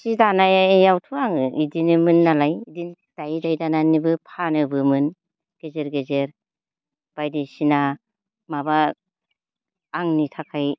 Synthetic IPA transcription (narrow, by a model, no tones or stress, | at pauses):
sidanajejawtʰuaŋɯidinɯmɯnːalajidin | d̥ajidajdananibɯpʰanɯbɯmɯn | ɡ̥ezeɾɡezeɾ | b̥ajdisina | maba | ŋnitʰakʰaj